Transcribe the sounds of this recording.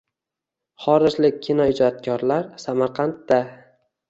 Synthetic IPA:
χɒɾɪd͡ʒlɪk̚ʲʰːinɒɪd͡ʒɒt̪̚kʲʰɒɾlaɾsamaɾqʰɑnt̪̚ːa

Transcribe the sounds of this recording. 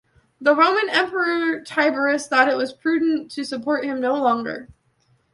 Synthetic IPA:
ðəɹõʊ̃mɨ̃nɛ̃mpə˞ətʰaɪbə˞ɨsθɔɾɨʔ̚wʌz̥pʰɹ̥ʉdⁿn̩tʰɨsɨpʰɔɹt̚hɨ̃mnoʊlɔ̃ŋɡə̰˞

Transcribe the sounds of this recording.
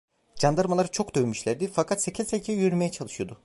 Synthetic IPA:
d͡ʒand̪aɾmalˠaɾɯt͡ʃʰo̞kd̪øjmyʃlʲæɾd̪ifakʰat̪secʰizʲsecʰejjyɾyɾme̞jɛt͡ʃʰalˠɯʃɯjo̞d̪ʊ

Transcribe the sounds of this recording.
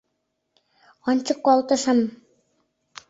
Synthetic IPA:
ɑnʲt͡ɕɤkːɑlˠt̪ɤ̆ʃɤ̆m

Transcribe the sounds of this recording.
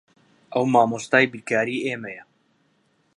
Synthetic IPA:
ʔɐwmaːmoːst̪aːjbikaːɾiːʔeːmɛjɛ

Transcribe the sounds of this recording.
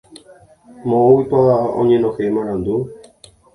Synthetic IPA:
mõowipaʋaõ̰ɲẽnõhemãɾãnd̪u

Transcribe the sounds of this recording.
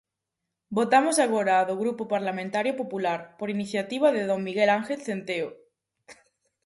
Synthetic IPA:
bot̪amosaɣ̞oɾaːðoɣɾupopaɾlamẽnt̪aɾjopopulaɾpoɾiniθjat̪iβ̞aðeðoŋmiɣelaŋxelθent̪eo

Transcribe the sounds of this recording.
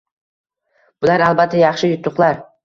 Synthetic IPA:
b̥ʊlaɾalˠbat̪ʰːajɑχʃɪjʊt̪ʰːʊqlˠaɾ

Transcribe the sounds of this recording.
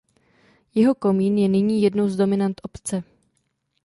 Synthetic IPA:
jɛɦo̞komiːnjɛnɪɲiːjɛdno̞wzdo̞mɪnant̪ʔopt͡sɛ

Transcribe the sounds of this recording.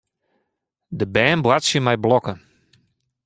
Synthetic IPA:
dəbɛːnbwatsjəmɛjblɔkə

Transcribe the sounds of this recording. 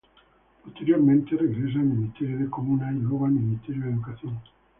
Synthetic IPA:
post̪e̞ɾjo̞ɾmẽnt̪ereɣɾes̬aminist̪e̞ɾjoðekomunailoɣalminist̪e̞ɾjoeðukaθjon

